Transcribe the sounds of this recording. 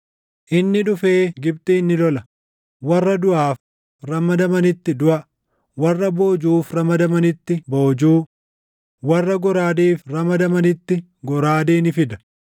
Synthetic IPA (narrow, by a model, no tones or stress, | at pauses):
ʔɪnːɪᶑʊfeːɡɪb̚t̪ʼiːnːɪlɔlɐ | wɐrːɐd̪ʊʔaːf | ɾɐmɐd̪ɐmɐnɪt̪ːɪd̪ʊʔɐ | wɐrːɐbo̞ːd͡ʒuːfɾɐmɐd̪ɐmɐnɪt̪ːɪboːd͡ʒuː | wɐrːɐɡɔɾaːd̪eːfrɐmɐd̪ɐmɐnɪt̪ːɪ | ɡɔɾaːd̪eːnɪfɪd̪ɐ̥